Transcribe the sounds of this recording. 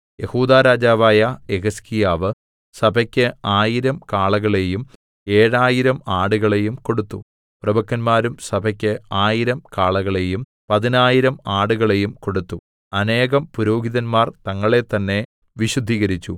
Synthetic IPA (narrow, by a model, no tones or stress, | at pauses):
je̞huːd̪aːɾaːd͡ʑaːʋaːjɐeɡɐskijaːʋɨ | sɐbʱɐkʲːɨaːjiɾɐmkaːɭɐɣɐɭe̞jum | e̞ːɻaːjiɾɐmaːɽuɣɐɭe̞jumko̞ɽut̪ːu | prɐbɐkːɐnmaːɾumsɐbʱɐkʲːɨaːjiɾɐmkaːɭɐɣɐɭe̞jum | pɐðinaːjiɾɐmaːɽuɣɐɭe̞jumko̞ɽut̪ːu | ɐne̞ːɣɐmpuɾo̞ːɡiðɐnmaːrt̪ɐŋːɐɭe̞t̪ːɐnːe̞ | ʋiɕud̪ʱiːɣɐɾit͡ɕːu